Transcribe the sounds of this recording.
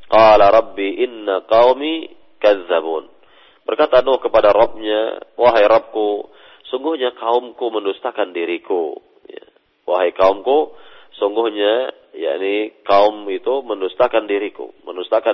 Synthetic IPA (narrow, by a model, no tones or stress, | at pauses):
qɑːlaɾˤɑbːiʔɪnːaqɑwmi | kaðːabun | bərkat̪anohkəpadaɾɑp̚ɲa̰waɦajɾɑp̚ku | suŋɡʊhɲakaʊmkuməndust̪akandiɾiku | ja̰ | waɦajkaʊmkusuŋɡʊhɲa | ja̰ʔnikaʊmit̪uməndust̪akandiɾikṵməndust̪aka